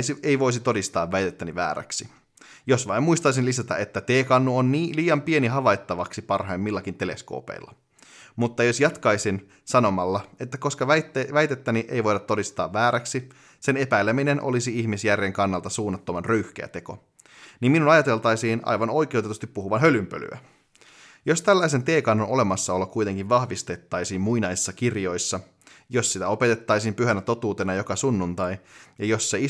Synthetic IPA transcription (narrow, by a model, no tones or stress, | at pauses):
sieiʋo̞is̬it̪o̞dist̪ɑ̰ːʋːæjt̪et̪ːæniʋæ̰ːɾæ̰ksi | jo̞sʋɑimmuist̪ɑis̬inlisæt̪æ̰et̪ːæt̪eːkɑnːuonːiːliːɑmpieniɦɑʋɑjt̪ːɑʋɑksipɑrhɑjmːmilːækint̪e̞le̞̰sko̰ːpḛilːɑ̰ | mut̪ːɑjosjɑt̪kɑjsin | sɑno̞mɑlːɑe̞t̪ːæko̞skɑʋæt̪ːeʋæjt̪et̪ːæniʔejʋo̞jdɑt̪ːo̞dist̪ɑ̰ːʋʋæːɾæksi | se̞ne̞pæjlːemine̞nʔo̰lisiiçmisjærːeŋkɑnːɑlt̪ɑsuːnːɑt̪ːomɑnrøyhk̟ḛæ̰t̪e̞ko̞̰ | nimminunɑjɑt̪e̞lt̪ɑjsiːnɑ̰jʋɑno̞jk̟euwt̪et̪ust̪ippuhuʋɑnɦølympø̰ly̰æ̰ | jo̞st̪ælːæjs̬e̞nt̪e̞ːkɑnːo̞no̞le̞mɑsːɑo̞lːɑkkujt̪e̞ŋkiʋʋɑhʋist̪e̞t̪ːɑjsiːmmujnɑjsi̥sːɑkirjo̞jsːɑ | jo̞ssit̪æo̞pe̞t̪e̞t̪ːɑjsiːmpyɦænæt̪o̞t̪uːt̪e̞nɑjo̞kɑsunːunt̪ɑjjɑjo̞sːei